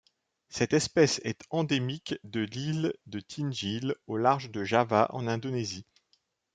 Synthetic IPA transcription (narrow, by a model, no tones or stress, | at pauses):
sɛt̪ɛspɛsɛ̰t̪ɑ̃d̪emikd̪əlild̪ət̪ʰinʒilolaʁʒd̪əʒavaʔɑ̰̃nɛ̃d̪onezi